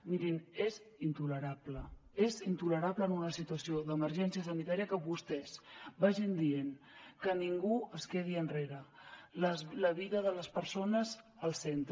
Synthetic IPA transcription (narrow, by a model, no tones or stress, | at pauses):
miɾinezint̪uləɾapləezint̪uləɾaβləːnunəsit̪uəsioðəməɾʒɛnsiəsənit̪aɾiəkəβust̪ɛzbaʒind̪ien | kəniŋɡuəskeð̞iənreɾəlləβiðəðələspəɾsonəzəlˠsent̪